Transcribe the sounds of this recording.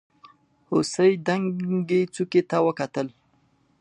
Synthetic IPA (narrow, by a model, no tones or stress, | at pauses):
hosəjd̪aŋɡet͡suket̪awəkat̪əl